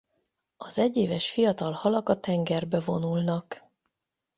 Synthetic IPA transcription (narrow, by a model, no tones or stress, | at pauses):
ɒzɛɟːeːvɛʃfijɒt̪ɒlhɒlɒkɒt̪ɛŋɡɛrbɛvo̞nulnɒk